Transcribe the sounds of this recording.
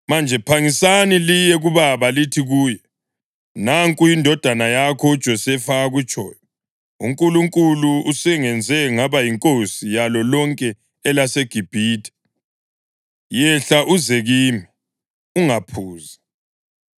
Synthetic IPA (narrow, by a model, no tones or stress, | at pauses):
mand͡ʒʱɛpʰaŋisanilijɛɣuβaβalitʰiɣuːjɛ | naŋkʼujindʱɔd̥ʱanajakʰɔu̥t͡ʃʼɔsɛfaaɣut͡ʃʼɔ̰ːjɔ | ṵŋkʼuluŋkʼuluusɛŋɛnd͡zʱɛŋaβajiŋkʼosijalɔlɔŋkʼɛ | ɛlaseɡ̥ʱib̥ʱiːtʰʼɛ̥ | jɛɬaʔuzɛɣiːmi | uŋapʰuːza